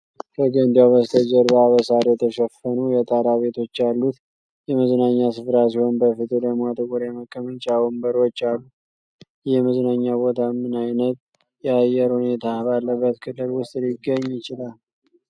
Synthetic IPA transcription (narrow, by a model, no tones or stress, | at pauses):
kʰəɡənd̪ijaβəst̪ʰəd͡ʒəɾbaβəsaɾjɛt̪ʰəʃəfːənujɛt̪ʼaɾaβe̞t̪ʰo̞t͡ʃːalːut̪ | jɛməznaɲːasɨfɾas̬ihonbəfɨt̪ʼɨləmat̪ʰʼəɡʼuɾeməkʼːəmənt͡ʃʼawmbəɾwot͡ʃːalːu | jɛməznaɲːabo̞t̪ʰamːɨnajnət̪̚ | jɛajɛɾhune̞t̪ʰabalːəbːət̪kʰɨlːɨlwʊst̪ʼlɪɡːəɲːjɪt͡ʃɪlal